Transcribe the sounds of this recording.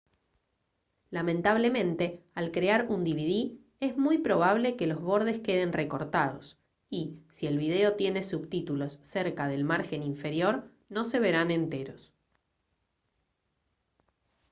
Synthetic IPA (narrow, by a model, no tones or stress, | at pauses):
lamẽnt̪aβ̞le̞mẽ̞nt̪e̞alkɾeaɾund̪iβið̞i | e̞zmujpɾo̞β̞aβle̞ke̞lo̞zβo̞ɾðe̞ske̞ð̞e̞nreko̞ɾt̪að̞o̞s | isie̞lβið̞e̞o̞t̪je̞ne̞suβt̪it̪ulo̞sːeɾkaðe̞lmaɾxe̞niɱfe̞ɾjo̞ɾ | no̞se̞βe̞ɾane̞nt̪e̞ɾo̞s